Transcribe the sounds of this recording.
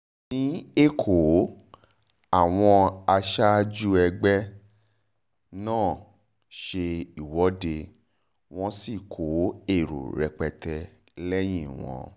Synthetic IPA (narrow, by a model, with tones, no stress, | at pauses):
nĩ˦e˦˨kʰo˨ | a˦˨w̃ɔ̃˧a˧ʃa˦d͡ʒu˦ɛ˧ɡ͡bɛ˦ | nãː˦˨ | ʃe˧i˨wɔ˨˦de˧ | w̃ɔ̃˦si˦˨kʰo˨˦e˦˨ɾṵ˨ɾɛ˧k͡pɛ˧tɛ˧ | lɛ˦j̃ĩ˦˨w̃ɔ̰̃˨˧